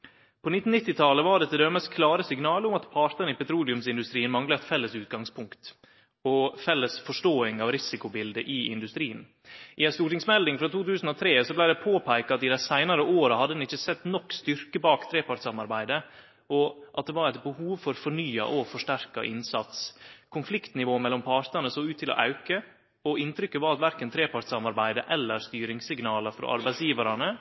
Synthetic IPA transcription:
pʰɔnɪt̪n̩nɪt̪ːɪt̪ʰɑləʋɑɖɛt̪ʰːəd̪øːməskʰlɑːɾəsɪŋnɑːlʊmɑt̪pʰɑɾʈ̪ənəɪpɛt̪ʰɾuːlɪʉmsɪnd̪ʉst̪ɾiːənmɑŋlɑɛt̪fɛlːəsʉːt̪̚ɡɑŋspʰʊŋkt̪ | ɔfɛlːəsfɔʂʈoːɪŋɑʋɾɪsɪkʊbɪld̪əʔɪɪ̰nd̪ʉst̪ɾiːən | ʔɪɛnst̪uːʈɪŋsmɛld̪ɪŋfɾɑt̪ʰuːt̪ʰʉːsən̩ɔt̪ʰɾeːsɔblæɪd̪ɛpʰoːpʰæɪkɑɑt̪ɪd̪æɪsæɪnɑɾəʔoːɾɑhɑd̪ːəd̪ɛnɪçːəsɛt̪ːnɔkːst̪ʏɾkəbɑːkt̪ʰɾeːpɑɾʈsɑmɑɾbæɪd̪ə | ɔʔɑt̪̚d̪ɛʋɑɾɛɪt̪̚bəhuːʋfɔɾfɔɳyːɑ̰ʔɔfɔʂʈæɾkɑ̰ʔɪ̰nsɑt̪skʰʊnflɪkt̪nɪʋoːmɛlːɔmpʰɑɾt̪ənəsoːʉːt̪ʰːɪlɔ̰ʔɑʉkə | ɔɪnt̪ʰɾʏkːəʋɑɾɑt̪ʋæɾkənt̪ʰɾeːpɑɾʈsɑmɑɾbæɪd̪ə̰ʔɛlːəɾst̪yːɾɪŋsɪɡnɑːləɾfɔɾɔ̰ʔɑ̰ɾbæɪt̪sjiːʋɑɾɑnə

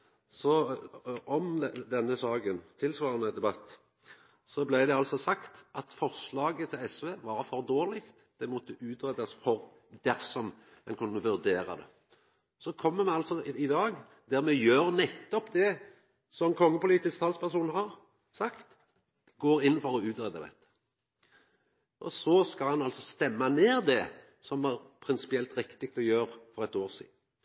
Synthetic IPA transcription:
sɔ | ɔmd̪ɛnːəsɑːɡənt̪ʰɪlsʋɑːɾənəd̪ɛbɑt̪ː | sɔblæɪd̪ɛɑlsɔsɑkt̪ʔɑt̪fɔʁslɑːɡət̪ʰɪlɛsʋeːʋɑɾfɔʁd̪oːʁlɪkt̪d̪̥ɛmɔt̪ːəʔʉːt̪ɾɛd̪ɑsfɔɾ | d̪æʁsɔm | ɛnkʰʊnːəʋʉɾd̪eːɾɑ̰d̪ɛ̰ | sɔkʰɔmːəmɛɑlsɔɪd̪ɑːɡ | d̪æɾmɛjøːɾnɛt̪ːɔpd̪ɛ | sɔkʰɔŋːəpʊliːt̪ɪskt̪ʰɑlspʰæʁsuːnhɑɾ | sɑkt̪ | ɡoːɾɪn̩ːfɔɾɔʉːt̪ɾɛd̪ɑd̪ɛ̰t̪ːə̥ | ʔɔsɔskɑlhɑnɑlsɔst̪ɛmːɑneːɾd̪ɛ | sɔmæɾpʰɾɪnsɪ̥pɪɛlt̪ɾɪkt̪ɪk̚t̪ɔjøːɾfɔɾɛt̪oːʁsḭːd̪n̩

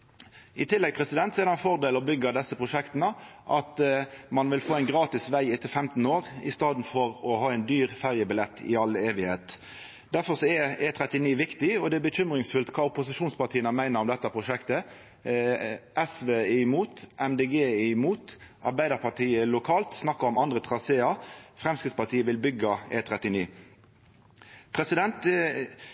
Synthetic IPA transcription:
ʔɪt̪ʰɪlːɛɡ̚pʰʁɛsɪd̪ɛnt̪sɔɛd̪hɑnfɔʁd̪eːlɔbʏɡːəɑd̪ɛsːəpʰʁʊʂɛkt̪nəʔɑt̪mɑnʋɪlfoːæɪnɡʁɑːt̪ɪsʋæɪɪt̪ʰːɪlfɛmt̪n̩oːʁɪ̰st̪ɑːd̪n̩fɔʁɔhɑːɛɪnd̪yːʁfæʁjəbɪlɛt̪ʰːɪ̰ɑleːʋɪheːt̪ | d̪æʁfɔʁsɔɛet̪ʰʁɛt̪ɪniːʋɪkt̪ɪɔd̪ɛæbəçʏmʁɪŋsfʉlt̪kʰɑːʊpʊsɪʃuːnspɑʁt̪iːənəmæɪnəɾɔmd̪ɛt̪ːəpʰʁʊʂɛkt̪ə | ʔɛsʋeːɛɪmuːt̪ʔɛmd̪eɡeːɛɪmuːt̪ʔɑ̰ʁbæɪd̪əʁpʰɑʈ̪ʰiːəlʊkʰɑːlt̪snɑkːəʁɔmɑnd̪ʁət̪ʰʁɑseːɑfʁɛmskɪd̪spɑʁt̪ʰiːəʋɪlbʏɡːəḛːt̪ʰɾɛt̪ɪniː | pʰʁɛsɪd̪ɛnt̪

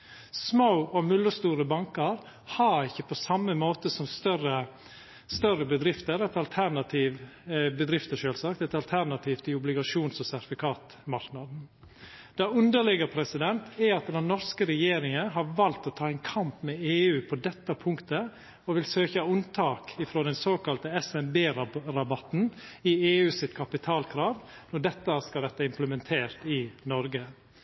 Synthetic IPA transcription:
smaʊɔmʉlːʊst̪uːɾəbɑŋkəɾ | hɑɾɪçːəpʰɔsɑmːəmoːt̪əsɔmst̪œɾə | st̪œrəbəd̪ɾɪft̪əɾɛt̪ɑlt̪ʰæɾnɑt̪ʰiːʋbəd̪ɾɪft̪əʂøːlsɑk̚t̪ɛt̪ɑlt̪ʰæɾnɑt̪ʰiːft̪ʰɪʊblɪɡɑʂuːnsɔsæɾt̪ɪfɪkʰɑːt̪ | mɑɾknɑd̪n̩ | d̪̥ɑʉnd̪əɭɪɡəpʰɾɛsɪd̪ɛnt̪ʰɛɑt̪̚d̪ɛnnɔɾskəɾɛjeːɾɪŋəɦɑɾʋɑlt̪ɔt̪ʰɑːɛŋkʰɑmpmɛeːʉːpʰɔd̪ɛt̪ːəpʰʊŋkt̪ə | ɔʋɪlsøːçəʉnt̪ʰɑːkɪfɾoːd̪ɛnsoːkɑlt̪əɛsɛnbeːɾɾɑbɑt̪n̩ɪeːʉːsɪt̪kʰɑpɪt̪ʰɑːlkʰɾɑːʋnɔɖɛt̪ːəskɑlɾɛt̪ːəɪmpləmɛnt̪ʰeːɾt̪ɪnɔɾɡə

